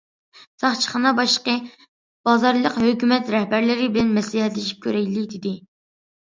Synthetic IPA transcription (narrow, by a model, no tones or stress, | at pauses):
sɑχt͡ʃʰə̥χɑnɑbɑʃqə | b̥ɑzɑɾlˠəqhøkʲymɛt̪ɾɛhbæɾlɪɾɪbɪlɛnmɛslɪhɛt̪lɪʃi̥p̚kʲʰøɾɛjlɪd̪ɪd̪ɪ